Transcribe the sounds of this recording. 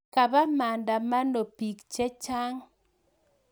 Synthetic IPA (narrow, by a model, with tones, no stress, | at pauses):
ka˨ba˦ma˨nda˨ma˦no˨pi˨kt͡ʃe˦t͡ʃa˦ŋ